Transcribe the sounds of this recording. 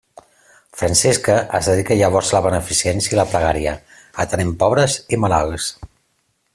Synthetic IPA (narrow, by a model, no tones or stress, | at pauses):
fɾansɛskəʔəzðəðikəʎəβ̞ɔɾzləβənəfisiɛnsiəiləpɾəɣaɾiə | ət̪ənempɔβɾəzimalalˠs